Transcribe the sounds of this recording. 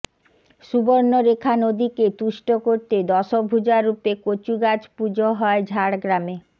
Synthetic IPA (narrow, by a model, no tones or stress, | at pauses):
ʃuboɾnoɾekʰanod̪iket̪uʃʈokoɾt̪ed̪ɔʃobʱud͡ʑaɾːupekot͡ɕuɡad͡ʑpud͡ʑoɦɔed͡ʑʱaɽɡɾame